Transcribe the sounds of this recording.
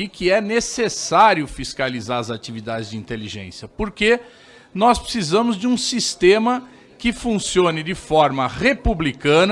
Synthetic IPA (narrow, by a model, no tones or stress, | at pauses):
ikɪɛnesesaɾjʊfiskalizaɾɐzat͡ʃivid̪ad͡ʒɪzd͡ʒɪĩnt̪eliʒḛ̃sjɐpoɾke | nɔspɾɪ̥sizɐ̃mʊzd͡ʒɪũsist̪ẽmɐ | kɪfũsiõnɪd͡ʒɪfɔɾmɐhepublikɐ̃n